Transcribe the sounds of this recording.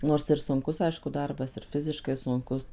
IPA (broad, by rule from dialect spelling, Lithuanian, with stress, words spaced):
ˈnoːrs ɪr sʊŋˈkʊs ˈɐɪʃkʊ ˈdɐrbɐs ɪr ˈfʲɪzʲɪʃkɐɪ sʊŋˈkʊs